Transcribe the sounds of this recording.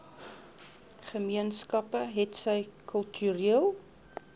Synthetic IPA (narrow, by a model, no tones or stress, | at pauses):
χəmiənskɐpəɦɛtsəjkʰœlˠtʰyɾiəlˠ